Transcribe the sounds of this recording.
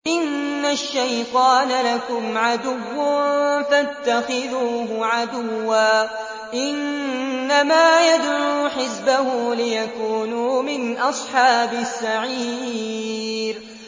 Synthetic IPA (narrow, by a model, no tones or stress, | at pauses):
ʔɪnːaʃːajt̪ˤɑːnalakʊmʕad̪ʊwːʊfat̪ːaxɪðuːɦʊʕad̪ʊwːaː | ʔɪnː | amaːjad̪ɾuːħɪsbahʊːlɪjakuːnuːmɪnʔɑsˤħɑːbɪsːaʕi | ɾ